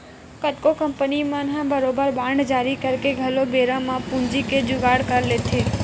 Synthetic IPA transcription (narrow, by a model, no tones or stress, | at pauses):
kəʈ̪kokəmpənimãnãbəɾobəɾbaɳɖd͡ʒaɾikəɾkeɡʱəlobeɾãmãpũnd͡ʒiked͡ʒʊɡaɽkəɾlet̪ʰe